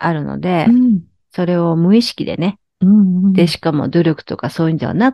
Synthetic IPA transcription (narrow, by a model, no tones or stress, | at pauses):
aɾɯ̟no̞̰d̪e̞ | so̞ɾe̞o̞mɯ̟iɕi̥kʲid̪e̞̰ne̞ | d̪e̞ɕi̥kamo̞̰d̪o̞ɾʲo̞kɯ̟̥t̪o̞kaso̞ːjiɯːnd̪e̞a̰na